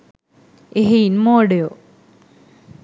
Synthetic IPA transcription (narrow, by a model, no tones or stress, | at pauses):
eɦinmoːɽejo